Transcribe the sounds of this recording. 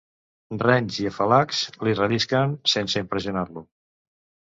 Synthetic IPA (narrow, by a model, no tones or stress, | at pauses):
rɛɲziəfəlakslirəliskənsensəimpɾəziunaɾlu